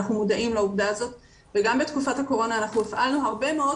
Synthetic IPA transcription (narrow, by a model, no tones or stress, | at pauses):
aχnumudaʔimlauvdaːzo̞t̪ | veɡambet̪kufathako̞ʁo̞naːnaχnuefʔalnuɦaʁbe̞meo̞